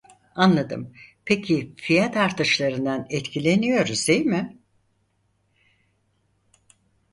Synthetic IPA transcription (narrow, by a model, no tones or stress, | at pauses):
anlˠad̪ɯ̰mpʰecʰifijat̪aɾt̪ɯʃlˠaɾɯnd̪anɛt̪cʰilʲe̞nijo̞ɾuzd̪ejmɪ